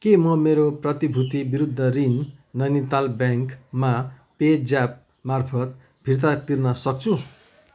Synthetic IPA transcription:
kemʌmeɾoprʌt̪ibʱut̪ibiɾud̪ʱːʌrinːʌnit̪albjaŋkmaped͡zap̚ | marpʰʌt̪̚ | bʱirt̪̬at̪irnʌsʌk̚t͡sʰu

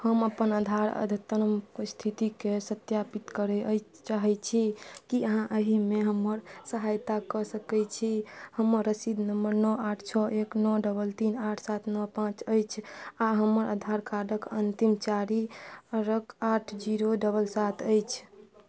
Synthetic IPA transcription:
həməpənəd̪ʱaɾə̰d̪ʱt̪əɾəmst̪ʰit̪ikesət̪japit̪kəɾɛə | t͡ʃaɦɛt͡ʃʰikiəɦãʔəɦimeɦəməɾsəɦajt̪akɔsəkɛt͡ʃʰihəməɾːəsid̪nəmbəɾnɔaʈʰt͡ʃʰɔʔeknɔɖəbəlt̪inaʈʰsat̪ʰnɔpãt͡ʃəjt͡ʃʰaɦəməɾʔə̰d̪ʱaɾkʰaɖəkənt̪imt͡ʃaɾiɾəkaʈʰd͡ʒiɾoɖəbəlsat̪ʰəjt͡ʃʰ

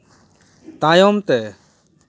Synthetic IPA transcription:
t̪aːjoːmt̪ɛː

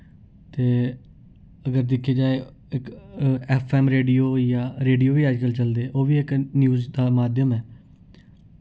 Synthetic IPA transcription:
t̪eː | əɡəɾd̪ɪkʰeːd͡ʒaːe | ɪkɛːpʰɛːmɾeːɖiːoːjaːɾeːɖioːʋiːaːd͡ʒkəlt͡ʃəld̪eːʔoːʋiːɪknjuːzd̪aːmaːd̪jəmɛː

